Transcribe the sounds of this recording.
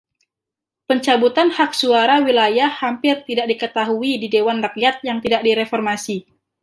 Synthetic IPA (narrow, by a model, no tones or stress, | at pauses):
pəɲt͡ʃabut̪anhak̚suaɾawilajahːampɪrt̪idaʔk̚dikət̪aɦuididewanrək̚jat̪̚jaŋt̪idak̚diɾefɔrmasi